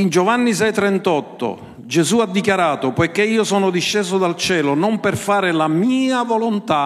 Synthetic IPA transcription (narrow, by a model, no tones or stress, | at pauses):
ind͡ʒovanːisɛjt̪ɾɛnt̪ɔt̪ːo̰ | d͡ʒɛzuad̪ːikjaɾaːt̪ʊpɔjkeiːosɔːnʊd̪iʃːɛːzʊd̪alt͡ʃɛːlonɔmpɛrfaːɾɪlamiːavolont̪a